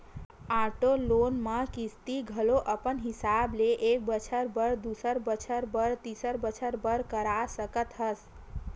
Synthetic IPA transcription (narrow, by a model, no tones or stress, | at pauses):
aʈolonməkist̪iɡʱəloʔəpənɦisableʔek̚bət͡ʃʰəɾbəɾd̪usəɾbət͡ʃʰəɾbəɾt̪isəɾbət͡ʃʰəɾbəɾkəɾasəkət̪ɦəs